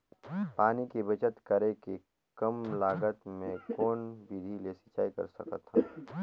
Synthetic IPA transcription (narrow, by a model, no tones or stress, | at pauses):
paːnikibɐt͡ʃət̪kɐɾeke | kɐmlaːɡət̪mẽkoːnbiːd̪ʱilesɪt͡ʃaːikɐ̰ɾsɐ̰kə̰t̪hã